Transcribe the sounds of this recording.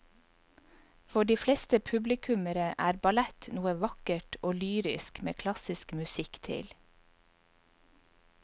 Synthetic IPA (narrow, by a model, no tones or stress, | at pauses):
fɔɖiːflest̪əpʰʉblɪkʰʉməɾəʔæːɾbɑlæt̪nuːəʋɑkəʈʰoːlyːɾɪ̰skmḛːkʰlɑsɪskmʉsɪkt̪ʰɪ̰l